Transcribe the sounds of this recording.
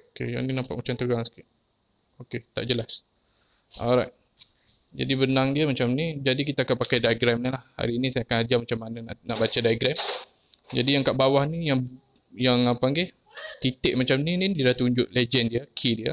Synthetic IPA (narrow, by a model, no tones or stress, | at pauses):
okḛja̰ninampa̰ʔ̚mat͡ʃamt̪əɡaŋsə̥kɪʔ̚ | oket̪a̰ʔd͡ʒəlas | ʔɔ̰lɾajt̚ | d͡ʒa̰dibənaŋdiəmat͡ʃamnid͡ʒadikit̪aːkanpakajdajɡɾɛmnilahha̰ɾiːnisajakanad͡ʒamat͡ʃamːananaʔnaʔbat͡ʃadajɡɾɛm | d͡ʒadijaŋkaʔbawahnijaŋ | jaŋapaŋɡeh | t̪it̪ɪʔ̚mat͡ʃamninidiədaht̪uɲd͡ʒʊʔ̚led͡ʒɛndiəkʰidiə